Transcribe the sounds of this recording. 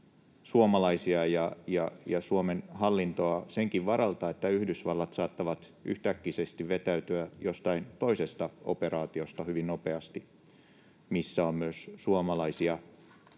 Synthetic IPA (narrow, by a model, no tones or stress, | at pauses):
suomɑlɑisiɑjɑjɑjɑsuomenhɑlːint̪oɑseŋkiʋʋɑɾɑlt̪ɑet̪ːæyhdysʋɑlːɑt̪sɑːt̪ːɑʋɑt̪y̰ht̪ækːisest̪iʋʋet̪æyt̪yæjost̪ɑint̪o̞isest̪ɑo̰perɑːt̪iost̪ɑhyʋinnopeɑst̪i | misːæommyøssuomɑlɑisiɑ